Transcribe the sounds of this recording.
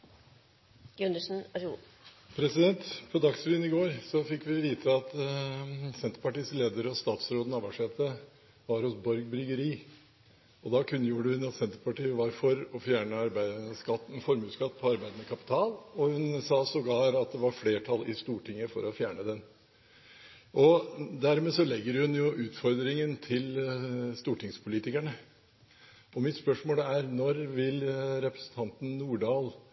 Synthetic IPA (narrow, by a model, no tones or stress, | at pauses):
ɡʉnd̪əʂn̩ | pʰɾɛsɪd̪ɛnt̪pʰɔd̪ɑksʋiːnɪɡoːɾsɔfɪkːʋɪʋiːt̪ʰəɑt̪ | sɛnt̪əɾpɑʈiːsleːd̪əɾɔst̪ɑːt̪sɾoːd̪ənɑʋɑʂɛːt̪ə | ʋɑɾhɔsbɔɾɡ̚bɾʏɡəɾiː | ɔd̪ɑkʰʉnːəjuːɖəhʉnɑt̪sɛnt̪əɾpʰɑʈiːəʋɑɾfɔɾɔfjæːɳəɑɾbæɪd̪skɑt̪ːn̩fɔɾmʉːt̪skɑt̪ːpʰɔɑɾbæɪd̪ənəkʰɑpɪ̥t̪ʰɑːlɔhʉnsɑːsɔɡɑːɾɑt̪̚d̪ɛʋɑɾfleːʈʰɑlɪst̪uːʈʰɪŋːəfɔɾɔfjæːɳəd̪ɛn | ʔɔd̪æɾmeːsɔlɛɡːəɾhʉnjʊʔʉːt̪fɔɾd̪ɾɪŋənt̪ʰɪlst̪uːʈɪŋspʰʊliːt̪ɪkæɳə | ɔmɪt̪spœʂmoːlæɾnɔɾʋɪlɾɛpɾə̥sn̩t̪ʰɑnt̪n̩nuːɖɑːl